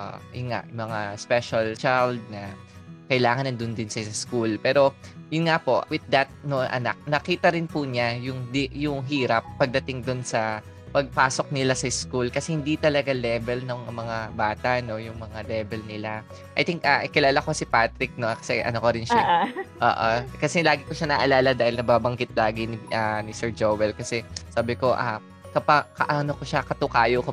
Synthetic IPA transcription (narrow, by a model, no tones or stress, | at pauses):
ʔʔo̰jʊnŋa̰ʔmɐŋaspɛʃɐlt͡ʃald̪̚nɐ | kɐjlaːŋɐnɐnd̪ʊnd̪ɪnsɐskulpɛːɾo̞jʊnŋapo̞ʔwɪd̪̚d̪ɐt̪̚noʔɐ̰na̰k̚nɐkiːt̪ɐɾɪnpʊɲajʊŋd̪ɪjʊŋɦiːɾɐpːɐɡ̚d̪ɐt̪ɪŋd̪ʊnsɐ | pɐɡ̚paːso̞k̚nɪlasɐɪskulkɐsɛhɪnd̪it̪ɐlɐɡalɛbɛlnɐŋmɐŋabaːt̪ɐʔno̞jʊŋmɐŋalɛːbɛlnɪla | ʔɐ̰jt̪ɪŋkaʔkɪlaːlɐko̞sɪpat̪ɾɪk̚nokɐ̥sɛ̰ʔɐ̰nokoɾɪnʃaʔo̰ːʔokɐsɛlaːɡɪkoʃanɐʔɐlaːlɐd̪aːhɪlnɐbaːbɐŋɡɪt̪̚laːɡɪnɪʔanɪsɛɹd͡ʒowɛlkɐsɛsaːbɪko̞ʔa | kɐpɐkɐʔanokoʃakɐt̪ʊkaːjoko